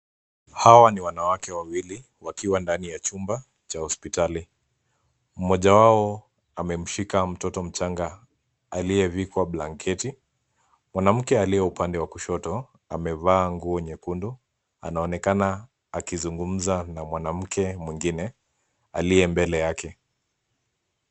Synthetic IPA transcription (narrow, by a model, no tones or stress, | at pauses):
hawaniwanawakɛwawili | wakiwandanijat͡ʃumba | t͡ʃahɔspitali | m̩mɔʄawaɔ | amɛm̩ʃikam̩tɔtɔm̩t͡ʃaŋɡa | alijɛvikwaɓlaŋkʰɛti | mwanam̩kɛalijɛupandɛwakuʃɔtɔ | a̰mɛvaːŋɡuɔɲɛkundu | a̰naɔnɛkana | akizuŋɡum̩zanamwanam̩kɛmwiŋɡinɛ | alijɛmbɛlɛjakʰɛ